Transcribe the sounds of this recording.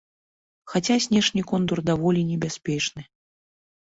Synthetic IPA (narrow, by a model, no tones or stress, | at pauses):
xat͡sʲasʲnʲɛʂnʲikɔnd̪urd̪avɔlʲinʲɛbʲasʲpʲɛt͡ʂnɨ